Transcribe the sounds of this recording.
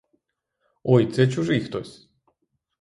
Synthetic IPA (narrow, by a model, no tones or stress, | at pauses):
ojt̪sɛt͡ɕuʐixt̪osʲ